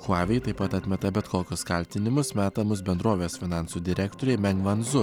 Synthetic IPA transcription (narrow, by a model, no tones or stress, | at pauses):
xʊɑːʋʲɛt̪ɐɪpɐt̪ɐt̪ʲmʲɛt̪ɐbʲɛt̪koːkʲʊskɐlʲt̪ʲɪnʲɪmʊsmʲæːt̪ɐmʊsbʲɛnd̪ɾoːʋʲeːsfʲɪnɑˑnsuːd̪ʲɪɾʲækt̪oːɾʲemʲɛŋɡʋɐnzʊ